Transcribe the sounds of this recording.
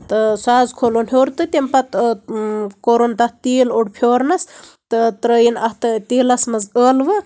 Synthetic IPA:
t̪ɨsaːzkʰolonɦoːɾt̪ɨt̪ʲempɐt̪ | koɾont̪ɐht̪iːloɽpʰjoːɾnɐst̪ɨt̪ɾəːjinɐht̪ɨt̪iːlɐsmɐzəːlʋɨ

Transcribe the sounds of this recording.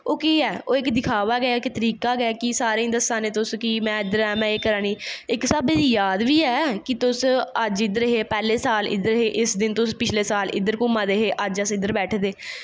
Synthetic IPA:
oːkiːɛːʔoːɪkd̪ɪkʰaːʋaːɡəaːkt̪əɾiːkaːɡaːkɪsaːɾeĩːd̪əsːãːneːt̪ʊskɪmɛ̃ːɪd̪əɾɛːmɛ̃ːeːkəɾãːniːɪksəbeːd̪iːjaːd̪ʋiːɛːkɪt̪ʊsəd͡ʒɪd̪əɾɦeːpɛːleːsaːlɪ̰d̪əɾɦeːʔɪsd̪ɪnt̪ʊspɪt͡ʃʰleːsaːlɪ̰d̪əɾkʊmãːd̪eɦeːʔəd͡ʒəsɪd̪əɾbɛːʈʰd̪eː

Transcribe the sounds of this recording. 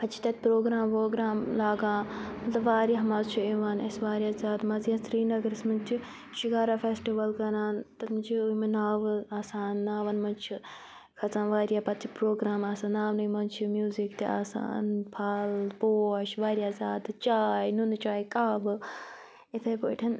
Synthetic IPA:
pɐt͡ʃʰi̥t̪ɐt̪̚pɾoːɡɾaːmpoːɡɾaːmlaːɡãːmɐt̪lɐbʋaːɾʲjaɦɐmaːzt͡ʃʰueʋaːnɐsʋaːɾʲijaːzaːd̪mɐziãsɾiːnɐɡɐɾsmɐnt͡ʃʰi | ʃikaːɾaːfeːsʈiʋɐlkɐnaːnt̪ɐmɨt͡ʃʰiujmɐnaːʋaːsaːnːaːʋɐnmɐnt͡ʃʰi | kʰɐt͡sãːnʋaːɾjaːpɐt̪t͡ʃʰipɾoːɡɾaːmaːsaːnaːʋnujmɐnt͡ʃʰimjuːzikt̪eʔa̰ːsa̰ːnpʰaːlpoːɐʃʋaːɾjaːzaːd̪t͡ʃaːjnunt͡ʃaːikaːʋɨ | it̪ʰɐjpoːʈʰɐn

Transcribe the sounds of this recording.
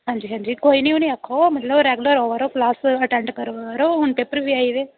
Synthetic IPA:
ɦãːɲd͡ʒiɦãːɲd͡ʒiːkoːinĩunĩakʰːomɐt̪ləbɾeɡʊləɾoːʋaɾoklaːsɐʈɛ̃ɳɖkɐɾʋaɾoːɦʊɳpeːpəɾbʱiaːid̪eː

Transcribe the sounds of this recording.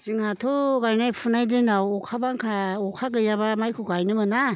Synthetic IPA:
t͡ʃiŋatʰuɡajnajpʰunajdɯnawɔkʰabaŋkʰaɔkʰaɡɯjaβamajkʰuɡajnɯmɯna

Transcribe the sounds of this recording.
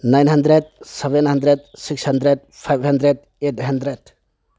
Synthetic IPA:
najnɦandɾed̚sebenɦandɾed̚sikshandɾed̚pʰajbʱhandɾed | etʰɦandɾed

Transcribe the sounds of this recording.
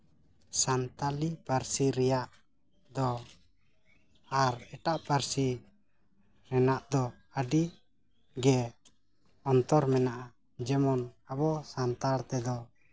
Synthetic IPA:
sant̪alipaɾsiɾɛjaʔ | d̪ɔ | aɾɛʈaʔpaɾsi | ɾɛnaʔd̪ɔ | əɖi | ɡɛ | ɔnt̪ɔɾmɛnaʔa | d͡ʒɛmɔnabɔsant̪aɽt̪ɛd̪ɔ

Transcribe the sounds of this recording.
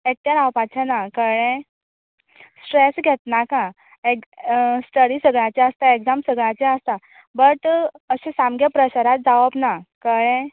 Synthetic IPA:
ek̚t̪jaɾawpat͡ɕanakəɭẽ | sʈɾesɡʱet̪nakã | esʈəɽisəɡɭãt͡ɕeəst̪aeɡd͡zamsəɡɭat͡ɕeəst̪a | bəʈ̪ | əɕẽsamɡepɾəɕaɾat̪̚d͡zaʋəbnakəɭẽ

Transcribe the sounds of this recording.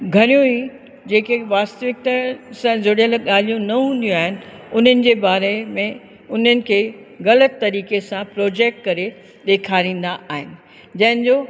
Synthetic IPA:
ɡʱɐɾijũĩ | d͡ʑeːkeʋaːst̪əʋɪk̚t̪əsãzoɽijəlɠaːl̤ijũnɐɦũːnd̪ijũaːɦɪnɪ̆ʊn̤ənɪ̆d͡ʑeːbaːɾemẽ | ʊn̤ənɪ̆kʰeːɣɐlət̪ːɐɾiːkesãpɾoːd͡ʑeːk̚ʈ̚kɐɾe | ɗeːkʰaːɾĩːn̆d̪aʔaːɦɪnɪ̆ | d͡ʑɐ̃ɦɪ̃nd͡ʑoː

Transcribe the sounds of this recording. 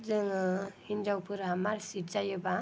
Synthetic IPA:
zɯŋhind͡ʒawpʰɯɾɦamaɾsitzajɯba

